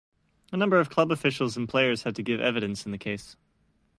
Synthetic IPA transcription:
ənʌ̃mbə˞ʌv̥kʰl̥ʌbəfɪʃl̩ˠz̃n̩pʰl̥eɪə˞z̥hɨd̚tʰɨɡɪvɛ̰vɨɾɨ̃nsn̩ðɨkʰeɪs

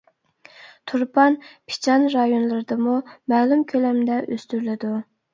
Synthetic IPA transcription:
t̪ʰuɾpʰɑnpʰi̥t͡ʃʰɑnɾɑjonlˠɨɾɨd̪ɨmumɛːlˠumkʲʰølɛmd̪ɛʔøst̪yɾlɪd̪u

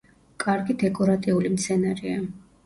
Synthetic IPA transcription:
kʼaɾɡid̪ɛkʼɔɾat̪ʼiulimt̪sʰɛnaɾia

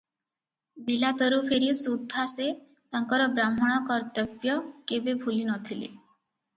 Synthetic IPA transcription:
bilat̪ɔɾupʰeɾisud̪ʱːase | t̪aŋkɔɾɔbɾamɔɽ̃ɔkɔɾt̪ɔpjɔkebebʱulinɔt̪ʰilḛ

